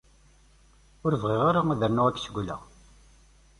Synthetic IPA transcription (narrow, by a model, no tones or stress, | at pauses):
ʊɾəvʁeʁaɾaæðəɾnuʁækːsəɡʷlæ̰